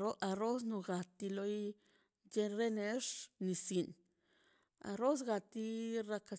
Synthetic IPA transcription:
o˦ʔa˧ɾo˦s̬nu˧ɡa˨t̪i˧lo˦j | d͡ʒe˧ɾe˦ne˧˦ʂni˨si˨n | a̰˧ɾo˦s̬ɡa˧t̪i˦ɾa˧ka˧

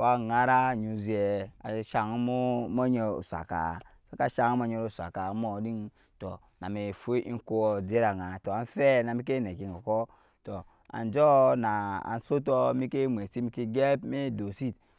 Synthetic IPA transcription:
wa˦ŋa˦ɾa˦ɲu˨zi˨e˨a̰˨ʃa˨ŋ˦mu˦mo˦ɲe˨ṵ˨sa̰˨ka̰˨sa˦ka˦ʃa˦ŋ˦mo˦ɲe˦ɾo˦˨sa̰˨ka˨˦mo˨di˦ŋ | tɔ˨ | na˨mi˨fu˦ʔḭ˦ŋ˦ko˦o˨d͡ze˦ɾa˨ŋa˨to˨a˨n˦fe˦na˨mi˦k̬e˦ne˨ki˨ŋo˨kɔ˦ | tɔ˨ | a̰˨nd͡ʒo˦na˨a̰˨n˨so˦t̬o˦mi˦ke˦m˨e˨si˦mi˦ki˦ɡe˦pme˦do˨si˦t

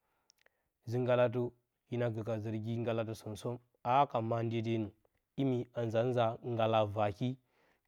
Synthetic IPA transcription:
zi˦ŋɡa˦la˦t̬u˦ | ji˦na˦ɡə˨ka˨zə˨ɾɡi˦ŋɡa˦la˦t̬u˦su˨nso˦m | a˦ka˨ma˦n˦de˦de˦nu˨ | i˦mi˨a˨n˨za˨˦n˦za˨ŋɡa˨la˨va˨ki˦

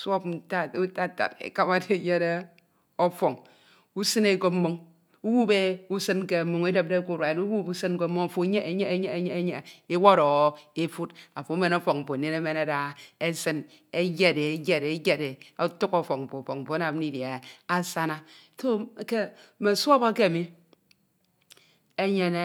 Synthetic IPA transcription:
sʷo˦pta˦u˦ta˦˨ta̰˨tḛ˨ka˦ma˦de˦˨je˦ɾe˦ | o˦fo˨ŋ | u˦sɨ˦ne˦˨ɡo˦mo˦ŋ | u˦wu˦be˦u˦sɨ˦n˦ke˨mo˨ŋe˦de˦˨p̚de˦˨ku˦˨ɾwa˨e˨nu˦wu˦bu˦sɨ˦n˦ko˦mo˦ŋa˨fo˨˦ɲe˦e˦ɲe˦e˦ɲe˦e˦ɲe˦ɲe˨e˦wo˦ɾɔ˨ɣe˦fu˦t̚a˨fo˨˦me˨no˦fɔ˨k̚m̩˨po˨ne˦ne˦me˦ne˦da˦e˦sɨ˦n | e˦d͡ʒe˦de˨˦d͡ʒe˨de˦ɡe˨de˨o˦tu˦kɔ˦fɔ˨k̚m̩˨po˨fo˨km̩˨po˨a˦na˨m˦ni˦dja˨a˦sa˦na˦ | to˦ke˦ | me˨sʷo˦ba˦ke˦a˨mi˦ | e˦ɲe˨ne˨

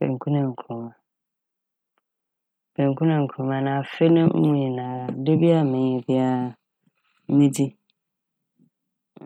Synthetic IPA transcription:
ḛ̃˨ŋ˨kʰũ˦nɛ̃˨ŋ̩˨kʰɾu˨mã˨ | bẽ˨ŋkʰũ˦nɛ̃˨ŋ̩˨kʰũ˨mã˨nã˨fe˦nʊ̃˦m̩˦mũ˨˦jĩ˨nã˨do˦bi˦a˦˨mɪ̃˨ɲ˨ɛ̃˨bɪ˦a˨˦ | nĩ˦di˦

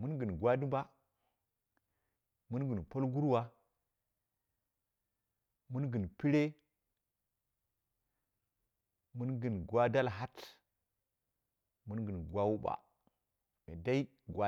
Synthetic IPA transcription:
mu˦nɡɨ˨n˨ɡwa˦di˦mba˦ | mu˦nɡɨ˨npo˦lɡu˦ɾwa˦ | mu˦nɡi˨npi˦ɾe˦ | mu˦nɡi˨nɡwa˦da˦lɦa˦t | mu˦nɡɨ˨nɡwa˦wu˦ɓa̰˨ | mḛ˨da˦i˦ | ɡwa˦

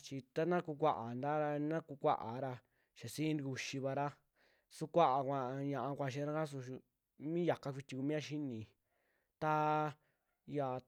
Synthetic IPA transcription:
t͡ʃi˧t̪a˦nã˦ku˧kʷa˦˨ʔa˨nd̪a˦ɾa˧nã˦ku˧kʷa̰˦ʔa̰˨˦ɾa˧ | ʃa˨sĩ˦n˧u˧ʃi˧βa˧ɾa˦ | su˧kʷa˦ʔa˨kʷã˧ɲã˧ʔa˧kʷa˧ʃ̬ĩ˧˦ɾa˦a˦s̬u˧ | mĩ˦ja˨ka˧kʷi˧t̪ʲi˧ku˧mĩ˦ã˧ʃi˦nĩ˨ | t̪a˦ | ja˨

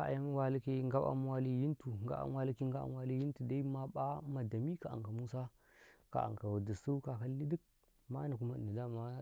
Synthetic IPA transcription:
a˦a̰˨ja˦m˦wa˦li˦ki˦ŋɡa˦a̰˦m˦wa˦li˦ji˦ntu˨ŋ˨ɡa̰˦a̰˦m˦wa˦li˦ki˦ŋɡa˦a̰˦m˦wa˦li˦ji˦n˦tu˨da˦i˦ma˦ɓa˦ma˨da˨mi˦ka˨a̰˨ŋka˨mu˦sa˦ | ka̰˨a̰˨ŋka˨wa˨di˨su˦ka˨ka˦lːi˦di˦k̚ | ma˦na˨ku˦ma˦˨ni˨da˦˨ma˦

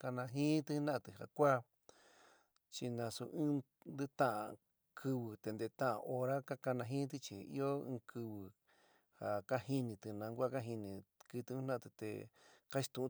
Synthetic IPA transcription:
ka˧nã˧ɦĩː˦t̪ɨ˧˦nã˦ʔt̪ɨ˧˨ha˨kʷa˦ | t͡ʃi˧nã˧su˧ʔɨ̃ː˦ | nd̪ɨ˦t̪ã˦ʔã̰˧˨ | kʰɨ˧βɨ˧t̪e˨˧nd̪e˧˨˧t̪ã˦ʔã̰˧ʔo˧ɾa˦ka˦ka˧nã˧ɦĩː˦t̪̬i˧t͡ʃḭ˧ḭ˦o˦ɨ̃ː˧kʰɨ˧βɨ˧ | ha˨ka˦hi˧nĩ˧t̪ɨ˧nã˨˧ŋɡʷa˦ka˦ɦi˧nĩ˧kɨ˧t̪ɨ˧˦˧nã˦a˧ɨ˧t̪ḛ˨ka˦t͡ʃi̥˧t̪ũ˧ʔũ˧

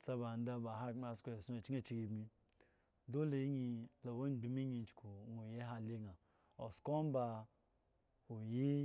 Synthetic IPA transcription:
t͡sa˧ba˨n˦da˧ba˨ɦa˦˨˦a˧˨skʷo˨su˦e˨t͡ʃi˦e˦˨t͡ʃi˦ɡi˨bmi˧ | do˦le˨˦ɲi˧la˨wo˦˨bi˨mi˦ɲi˧n˦t͡ʃkʰu˨ŋo˨je˦ɦa˧le˦ŋa˨ | o̰˨sko˦m˦ba˧ | o˨ji˦

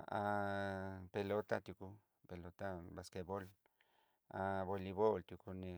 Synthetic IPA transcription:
a˧ | pe˧lo˦t̪a˧t̪ju˧ku˧ | pe˨lo˧t̪a˦ba˨ske˧bo˦l | a˧bo˧li˧βo˦lt̪ju˧ku˧ni˧

